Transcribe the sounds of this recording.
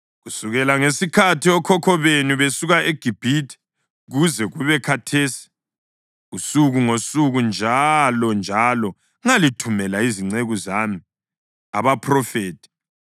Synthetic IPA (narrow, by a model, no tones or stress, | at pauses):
ɣusuɣɛlaŋesikʰatʰiɔkʰɔkʰɔβenuβesuɣaʔeɡ̥ʱib̥ʱitʰi̥ | ɣuzɛɣuβɛkʰatʰeːsi̥ | ɣusuɣuŋosuɣund͡ʒʱalɔnd͡ʒʱalɔ | ŋalitʰumɛlaiziŋ͡ǀeɣuzami | a̰βapʰrɔfeːtʰi̥